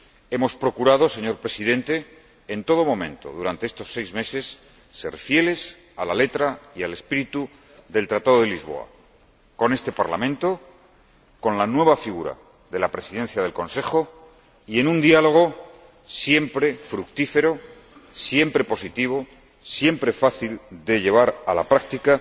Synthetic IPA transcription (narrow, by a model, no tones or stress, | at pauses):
e̞mo̞spɾo̞kuɾaðose̞ɲo̞ɾpɾe̞siðe̞nt̪e̞ː | nt̪o̞ð̞o̞mo̞mẽ̞nt̪o̞̰ð̞uɾant̪e̞est̪o̞sːe̞jzme̞se̞sː | e̞̰ɾfje̞le̞s | alale̞t̪ɾaiale̞spiɾit̪u | ðe̞lt̪ɾat̪að̞oð̞elizβ̞o̞̰a̰ | ko̞ne̞st̪e̞paɾlamẽnt̪o̞ | ko̞nlanwe̞β̞afiɣuɾa̰ | ðe̞lapɾe̞siðen̟θjað̞e̞lko̞nse̞χo̞ | ie̞nũnd̪ialo̞ɣ̞o̞ | sje̞mpɾe̞fɾukt̪ife̞ɾo | sje̞mpɾe̞po̞sit̪iβ̞o̞ | sje̞mpɾe̞faθild̪e̞ʎe̞β̞aɾalapɾak̚t̪ika